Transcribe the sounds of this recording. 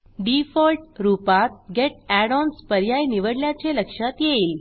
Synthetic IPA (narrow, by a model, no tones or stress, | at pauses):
ɖifɔlʈɾupat̪̚ɡeʈ̚æɽɔnspəɾjajniʋəɽljat͡ɕeləkʂat̪jeiːl